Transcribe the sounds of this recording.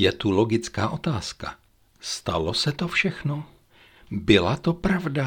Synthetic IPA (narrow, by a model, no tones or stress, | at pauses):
jɛt̪ulo̞ɡɪt͡skaːʔo̞t̪aːska̰ | st̪a̰losɛt̪o̞fʃɛxno | bɪlat̪o̞pɾavda